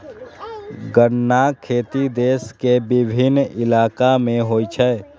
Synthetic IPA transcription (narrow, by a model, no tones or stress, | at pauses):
ɡəɽːakʰeːt̪id̪eːskebɪbʱɪnɪlaːkamẽɦoːit͡ʃʰɛ